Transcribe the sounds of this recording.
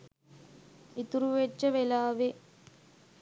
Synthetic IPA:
it̪ːuɾuʋet͡ʃːɐʋelaːʋe

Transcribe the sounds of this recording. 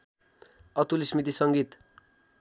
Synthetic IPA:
ʌt̪ulismit̪̬isʌŋɡit̪

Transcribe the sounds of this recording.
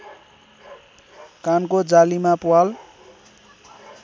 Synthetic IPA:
kankod͡zalimapuwal

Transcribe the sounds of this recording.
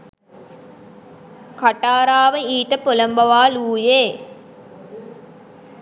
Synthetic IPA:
kaʈaːɾaːʋəiːʈəpolɐmbɐʋaːluːjeː

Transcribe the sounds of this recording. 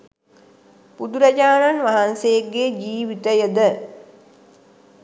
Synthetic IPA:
pud̪uɾɐd͡ʒaːnanʋaɦansejekːed͡ʒiːʋit̪əjəd̪ə

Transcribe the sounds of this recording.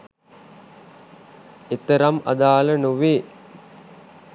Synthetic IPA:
et̪əɾama̰d̪aːlənuʋeː

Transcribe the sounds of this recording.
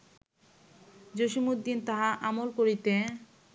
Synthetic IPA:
d͡ʑoʃimud̪ːint̪aɦaʔamolkoɾit̪e

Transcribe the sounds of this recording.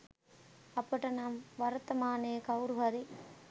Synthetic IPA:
ɐpːɐʈːɐnaːmʋɐɾɐt̪ːɐmaːneːkɐʋɾɯʋɐɾi

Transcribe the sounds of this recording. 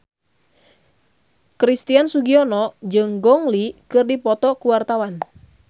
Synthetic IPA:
kɾist̪iansuɡiɔnɔd͡ʒɨŋɡɔŋlikɨrdipɔt̪ɔkuwart̪awan

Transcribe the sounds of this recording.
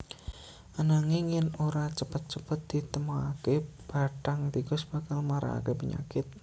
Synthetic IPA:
ʔanaŋɪŋjɪnoɾat͡ʃəpət̪̚t͡ʃəpət̪̚d̪̥i̤t̪əmaakeb̥a̤ʈaŋt̪ikɔsb̥a̤kalmaɾʔa̰a̰kepəɲa̰kɪt̪̚

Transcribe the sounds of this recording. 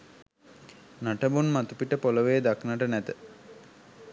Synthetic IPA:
naʈəbunmat̪upiʈəpoləʋejd̪aknəʈənæt̪ə

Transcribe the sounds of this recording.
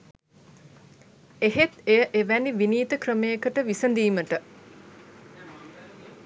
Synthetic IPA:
eɦet̪ejəʔeʋæniʋiniːt̪əkrəmejəkəʈəʋisənd̪iːməʈə

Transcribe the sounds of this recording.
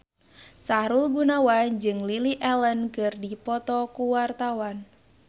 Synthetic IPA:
saɾulɡunawad͡ʒɨŋliliʔɛlənkɨrdipɔt̪ɔkuwart̪awan

